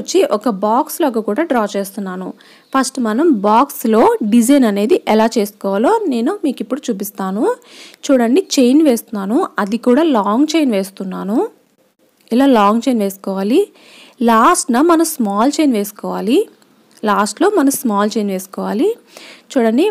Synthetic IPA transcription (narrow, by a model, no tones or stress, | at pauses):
t͡ʃːiʔɔkɐbaːksloːɡakuːɽaːɖɾaːt͡ʃeːst̪unːaːnu | pʰɐsʈmɐnɐmbaːkslo̞ːɖid͡ʒɐjnɐne̞ːd̪iʔɛlaːt͡ʃe̞ːskɔːʋaloːne̞ːnumiːkipːuɽut͡ʃuːp̬ist̪aːnut͡ʃuːɽɐɳɖit͡ʃejnʋe̞ːst̪unːaːnuɐd̪ikuːɽaːlaːŋɡt͡ʃejnʋe̞ːst̪unːaːnu | ilaːlaːŋɡt͡ʃejnʋe̞ːskɔːʋaːli | laːsʈnɐmɐnɐmsmaːlt͡ʃejnʋe̞ːsu̥kɔːʋaːli | laːsʈlo̞ːmɐnɐmsmaːlt͡ʃe̞jnʋe̞ːsu̥kɔːʋaːli | t͡ʃuːɽɐɳɖi